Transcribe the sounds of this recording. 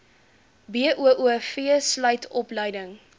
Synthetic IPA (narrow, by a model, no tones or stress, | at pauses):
biəʔuəʔuəfiəslœjtʰɔpləjdəŋ